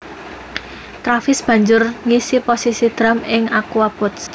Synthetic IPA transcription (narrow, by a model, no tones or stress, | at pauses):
t̪ɾafɪsb̥ä̤ɲd͡ʒʊrŋisiposisid̪̥ɾamɪŋakuwab̥ɔt̪s